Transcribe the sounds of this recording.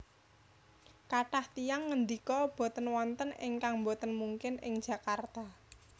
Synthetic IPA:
kaʈaht̪ijaŋːənd̪ikɔb̥o̤t̪ənwɔnt̪ənɪ̰ŋkaŋmbot̪ənmuŋkɪnɪŋ̥ʒ̥ä̤kart̪a

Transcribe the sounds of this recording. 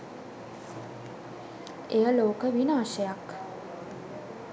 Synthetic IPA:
ejəloːkəʋinaːʃəjak

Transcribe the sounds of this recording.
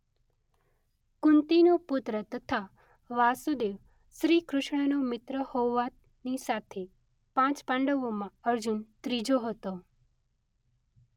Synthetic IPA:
kʊnt̪inopʊt̪ɾət̪ət̪ʰa | ʋasud̪eʋ | ʃɾikɾʊʃɳ̃ənomɪt̪ɾəhoʋat̪ | nisat̪ʰe | pãt͡ʃpãɳɖəʋomãəɾd͡ʒunt̪ɾid͡ʒoɦət̪o

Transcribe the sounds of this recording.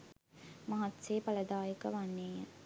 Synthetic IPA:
mɐɦat̪seːpaləd̪aːjəkəʋanːeːə

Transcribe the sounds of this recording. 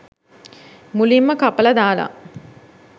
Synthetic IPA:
mulimːəkapələd̪aːla̰

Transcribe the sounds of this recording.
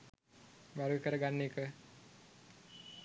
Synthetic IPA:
ʋaɾɡəkəɾəɡanːeːkə

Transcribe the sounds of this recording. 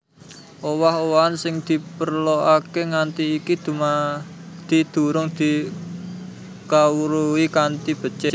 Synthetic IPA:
ʔowaɦowaansɪŋd̪̥i̤pərloʔakeŋant̪iːkid̪̥uma | d̪̥i̤d̪̥ṳɾʊŋd̪̥i̤ | kawuɾuwikant̪ib̥ə̤t͡ʃe

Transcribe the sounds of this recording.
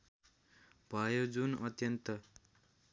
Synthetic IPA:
bʱʌjod͡zunʌt̪jʌnt̪ʌ

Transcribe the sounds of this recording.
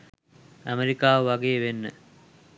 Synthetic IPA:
æmeɾikaːʋəʋaɡeːʋenːə

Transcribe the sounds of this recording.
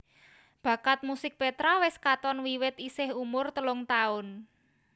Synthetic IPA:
b̥ä̤kat̪̚musɪk̚pet̪ɾawɪskat̪ɔnwiwɪt̪isɪhumʊrt̪əlʊŋt̪aʊn

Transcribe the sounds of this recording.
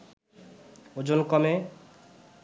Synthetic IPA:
od͡ʑonkɔme

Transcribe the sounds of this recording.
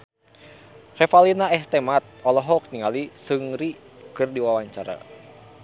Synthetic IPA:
rɛfalinaɛst̪ɛmat̪̚ɔlɔɦɔk̚niŋalisɨŋɾi | kɨrdiwawaɲt͡ʃaɾa̰

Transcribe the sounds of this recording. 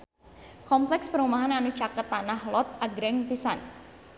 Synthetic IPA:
kɔmplɛkspəɾumaɦananut͡ʃakət̪ːanahlɔt̪̚aɡɾɛŋpisan

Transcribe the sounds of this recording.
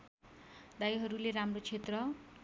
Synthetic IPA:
d̪ajɦʌɾuleɾamrot͡sʰet̪rʌ

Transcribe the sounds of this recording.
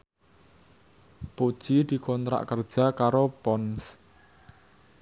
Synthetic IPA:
po̥ʒ̥id̪̥i̤kɔnt̪ɾa̰ʔkərd̥ʒ̥a̤kaɾopɔns

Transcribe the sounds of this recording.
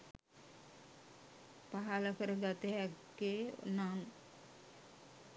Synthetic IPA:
paɦaləkəɾəɡat̪əɦækːḛnan

